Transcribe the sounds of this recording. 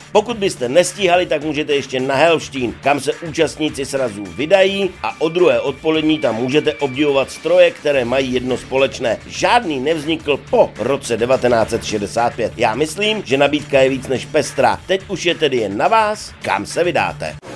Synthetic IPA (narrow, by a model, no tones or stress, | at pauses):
po̞kud̪̚bɪst̪ɛnɛsciːɦalɪt̪akmuːʒɛt̪ɛjɛʃcɛnaɦɛlʃciːnkamsɛʔuːt͡ʃast̪ɲɪt͡sɪsɾazuːvɪdajiːʔaʔo̞d̪ɾuɦɛːʔo̞t̪̚po̞lɛdɲiːt̪amːuːʒɛt̪̬ɛʔo̞bɟɛvo̞vat̪st̪ɾo̞jɛkt̪ɛɾɛːmajiːjɛdno̞spo̞lɛt͡ʃnɛːʒaːdniːnɛvzɲɪkl̩po̞ɾo̞t͡sɛdɛvat̪ɛnaːt͡sɛt̪ʃɛdɛsaːt̪̚pjɛt̪̚jaːmɪsliːmʒɛnabiːt̪kajɛviːt͡snɛʃpɛst̪ɾa̰t̪ɛcuʃjɛt̪ɛdɪjɛnːavaːska̰msɛvɪda̰ːt̪ɛ̰